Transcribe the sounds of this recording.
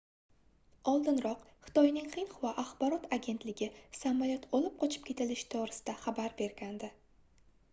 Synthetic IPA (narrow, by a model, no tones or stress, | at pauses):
ɒlˠd̪ɪnɾɒqχɨ̥t̪ʰɒjnɪŋχɨnχvaʔaχbɒɾɒt̪ʰaɡʲe̞nt̪lɪɡʲɪsamɒjɒt̪ʰɒlɪp̚qʰɒt͡ʃʰɪ̥p̚kʲʰe̞t̪ʰɪlɪʃt̪ʰoɾɪsɪd̪aχabaɾbe̞ɾɡʲand̪ɪ